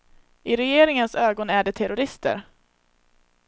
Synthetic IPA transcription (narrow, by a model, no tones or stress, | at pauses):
ɪɾɛjeːɾɪŋənsøːɡɔnæɖɛt̪ʰɛɾʊɾɪst̪ə̰ɾ